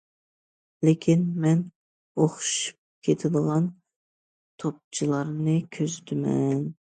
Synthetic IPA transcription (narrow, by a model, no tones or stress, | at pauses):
lekʲʰinmɛn | oχʃu̥p̚kʲʰet̪ʰɪd̪əʁɑn | t̪ʰop̚t͡ʃʰilˠɑɾnɨkʲʰøzt̪ʰɪmɛn